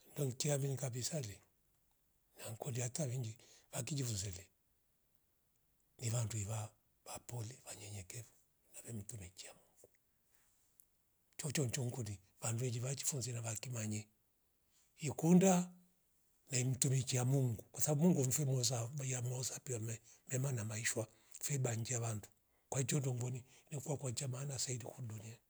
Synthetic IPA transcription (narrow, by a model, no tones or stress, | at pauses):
ndɔŋkiambinikabisali | naŋkɔliatawiŋɡiβakid͡ʒifunzɛlɛ | niβanduiβa | βapɔliβaɲɛɲɛkɛvu̥ | naβɛm̩tumikiamuŋɡ̥u̥ | t͡ʃɔt͡ʃɔɲt͡ʃɔŋkuni | βanduɛd͡ʒiβat͡ʃi̥funzinaβakimaɲɛ | ikunda | naim̩tumikiamuŋɡukwasaabumuŋɡum̩fɛmɔzajamɔzapiamɛmɛmanamaiʃwa | fɛbaɲd͡ʒɛaβandu̥ | kwahid͡ʒɔndɔŋɡɔninikuwakwad͡ʒamaːnasaidikudunia